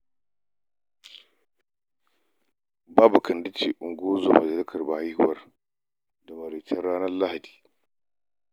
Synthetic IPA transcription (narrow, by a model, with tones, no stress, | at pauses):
baː˦bu˨kʰɐ˨ndi˦t͡ʃi˨ʔu˨ŋɡo˦zo˨mɐ˨d͡ʒɐ˨li˦kʰɐ˨rba˨ha˦hu˨wɐ˦r | da˨mɐ˨ɾi˨tʰɐ˦ɾːaː˦nɐ˦rla˦ha˨di̥ː˨